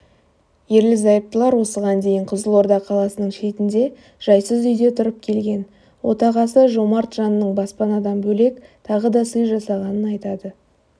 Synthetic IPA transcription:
je̞ɾlɪzɑjəp̚t̪əlˠɑɾwo̞səʁɑnd̪e̞jɪɴqʰʊzəlˠo̞ɾd̪ɑqʰːɑlˠɑsənəɴʃe̞t̪ɪnd̪e̞ | ʒ̥ɑjsəzʏjd̪e̞t̪ʰʊɾəp̚kʲʰe̞lɡʲe̞n | wʔo̞̰t̪ɑʁɑsəʒo̞mɑɾt̪ʒɑnənəɴbɑspɑnɑd̪ɑnbɵle̞kt̪ʰɑʁəd̪ɑsəjʒɑsɑʁɑnənɑjt̪ɑd̪ə

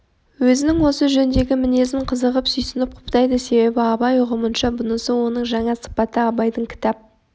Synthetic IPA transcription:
wɵzɪnɪŋwo̞səʒɵnd̪e̞ɡʲɪmɪne̞zɪɴqʰəzəʁəpsʏjsɪnɪp̚qʰʊ̥pt̪ɑjd̪əse̞be̞bɪɑbɑjʊʁəmənʃɑbʊnəsəwo̞nəɴʒɑɴɑsə̥pɑt̪əɑbɑjd̪əɴkʲʰɪ̥t̪ɑp̚

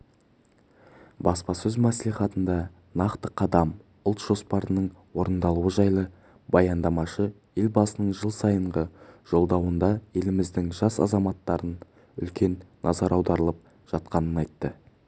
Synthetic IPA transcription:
bɑspɑsɵzmæsliχɑt̪ənd̪ɑ | nɑqt̪əqʰɑd̪ɑm | ʊlˠt̪ʒ̥o̞spɑɾənəɴwo̞ɾənd̪ɑlˠuəʒɑjlˠə | bɑjɑnd̪ɑmɑʃə | je̞lbɑsənəɴʒəlˠsɑjəɴʁəʒ̥o̞lˠd̪ɑwənd̪ɑje̞lɪmɪzd̪ɪŋʒɑsɑ̰zɑmɑt̪ːɑɾən | ʏ̰lkʲe̞nːɑzɑɾɑwd̪ɑɾəlˠəp̚ | ʒ̥ɑt̪qɑnənɑjt̪ːə

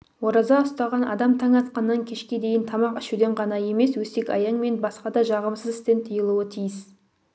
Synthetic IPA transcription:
wo̞ɾɑzɑʊst̪ɑʁɑnʔɑ̰d̪ɑmt̪ʰɑŋɑt̪qɑnːɑŋkʲʰe̞ʃkʲe̞d̪e̞jɪnt̪ʰɑmɑqɪʃud̪eɴʁɑnɑje̞me̞swɵse̞kʲɑ̰jɑɴme̞nbɑsqɑd̪ɑʒɑʁəmsəzɪst̪e̞nt̪ʰijəlˠuət̪ʰijɪs

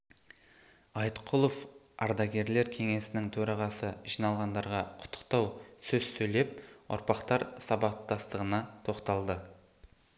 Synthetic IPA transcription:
ɑjt̪qʰʊlˠof | ɑɾd̪ɑɡʲe̞ɾle̞ɾkʲʰe̞ŋe̞sɪnɪŋt̪ʰɵɾɑʁɑsəʒijnɑlˠʁɑnd̪ɑɾʁɑqʰʊ̥t̪ʰːə̥qt̪ɑwsɵz̥sɵjle̞p̚ʊ̰ɾpɑqt̪ɑɾsɑbɑt̪ɑst̪əʁənɑt̪ʰo̞qt̪ɑlˠd̪ə

